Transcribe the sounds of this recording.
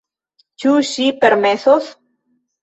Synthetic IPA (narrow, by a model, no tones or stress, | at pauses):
t͡ʃuʃipeɾmeθoθ